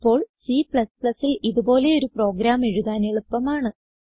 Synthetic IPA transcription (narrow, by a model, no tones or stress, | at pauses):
pːo̞ːɭsipɭɐspɭɐsːiliðubo̞ːle̞o̞ɾupro̞ːɡɾaːme̞ɻuðaːneɭupːɐmaːɳɨ